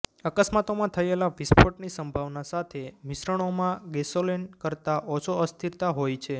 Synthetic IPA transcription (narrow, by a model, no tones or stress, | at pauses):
əkəsmat̪omãt̪ʰəelaʋispoʈnisəmbʱaʋnasat̪ʰemisɾəɳ̃omãɡesolenkəɾt̪aʔɔt͡ʃʰoəst̪ʰiɾt̪aɦojt͡ʃʰe